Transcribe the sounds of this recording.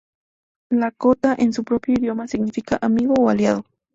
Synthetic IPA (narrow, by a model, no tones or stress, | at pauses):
lakot̪aʔensʊpɾopjoid̪jomasɪɡnɪfikaʔamiɣoːaljaðo